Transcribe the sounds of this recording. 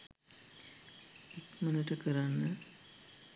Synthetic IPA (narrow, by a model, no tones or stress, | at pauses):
ekmənəʈəkəɾanːə